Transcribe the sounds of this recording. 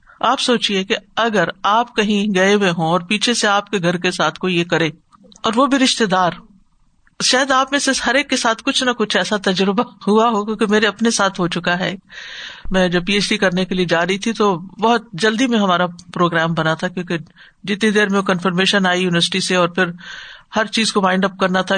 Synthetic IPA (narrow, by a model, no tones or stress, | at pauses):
aːpsoːt͡ʃiekeɐɡəɾaːp̚kɐɦĩɡɐeɦeɦõɔːɾpiːt͡ʃʰeseaːp̚keɡʱɐɾkesaːt̪ʰkojekɐɾẽː | ɔːɾʋobʱiɾɪʃt̪ed̪aːɾ | ʃaːjəd̪aːpmẽseshɐɾeːkːesaːt̪ʰkʊt͡ʃʰnakʊt͡ʃʰɛːsat̪ɐd͡ʒɾɪbaɦuaɦokjõːkimeːɾeɐpnesaːt̪ʰɦot͡ʃʊkaɦɛ̰ː | mɛ̃ːd͡ʒɐb̚piːeːt͡ʃɖikɐɾnekelied͡ʒaːɾɐɦit̪ʰit̪obɔɦʊt̪̚d͡ʒɐld̪imẽɦɐmaːɾapɾoːɡɾɛːmbɐnat̪ʰakjõːke | d͡ʒɪt̪nid̪eːɾmẽokɐ̃nfəɾmeːʃənaːijuːnɪʋəɾsɪ̥ʈiseɔːɾpʰɪɾhɐɾt͡ʃiːzkoʋãːɪ̃ɳɖɐp̚kɐɾnat̪ʰa